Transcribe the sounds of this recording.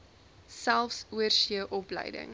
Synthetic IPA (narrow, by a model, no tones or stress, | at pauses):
sælˠfsuərsiəʔɔplə̰jdə̰ŋ